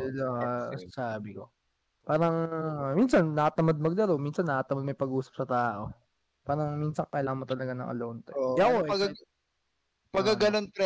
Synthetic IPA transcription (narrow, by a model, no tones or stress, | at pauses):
lo̰sɐsaːbɪko̞ | paːɾɐŋminsɐnːɐkɐt̪ɐmɐd̪̚mɐɡ̚d̪ɐlowminsɐnːɐʔɐt̪ɐmɐd̪̚mɐjpɐɡʔuːsɐ̥p̚sɐt̪aːʔo̞ | paːɾɐŋminsɐŋkɐlaːŋmot̪ɐlɐɡanɐ̰ŋʔɐ̰loːnt̪ɛoɐkoɐɡ | pɐɡɐɡɐlonpɾɛ